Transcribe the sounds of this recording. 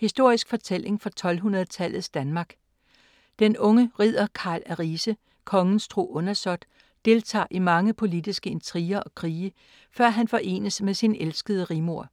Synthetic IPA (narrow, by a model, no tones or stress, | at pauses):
hisd̥o̝ɐ̰isɡ̥fɒ̽t͡sʰel̰e̝ŋfɒ̽t͡sʰɒ̽lɦunɐð̞̩ˠət͡sʰæl̰ð̩ˠsd̥ænmɑ̈ːɡ̥ | d̥enɔ̽ŋəʁið̰ˠɐkʰɑ̰̈ːlæʁisə | kʰɒ̽ŋn̩sd̥ʁo̝̰ːʔɔ̽nɐsɒ̽d̥ | d̥e̝lt͡sʰɑ̰̈ːʔimɑ̈ŋəpʰo̝lid̥isɡ̥əe̝nt͡sʰʁiːɐʔɒ̽kʰʁiːə | fɶɐ̰ɦænfɒ̽ʔe̝̰ːnəsmesinʔelsɡ̥əðˠəʁimo̝ɐ̰